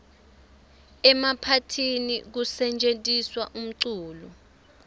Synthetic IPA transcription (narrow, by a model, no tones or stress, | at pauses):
ɛmapʰatʰinḭk̬usɛnt͡ʃʼentʼiswa̰ʔum̩ǀuːlɔ